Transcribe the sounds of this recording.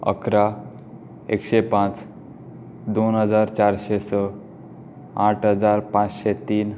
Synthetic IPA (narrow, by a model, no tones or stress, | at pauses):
ə̰kɾa | ekɕepãt͡s | d̪onɦəd͡zaɾt͡ɕaɾɕesə | ãʈʰɦəd͡zaɾpãt͡sɕet̪iːn